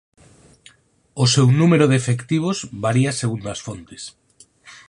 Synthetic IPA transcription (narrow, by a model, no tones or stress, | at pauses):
ʊsewnumeɾoʊðefekt̪iβ̞ozβaɾiaseɣund̪ɐsfont̪e̥s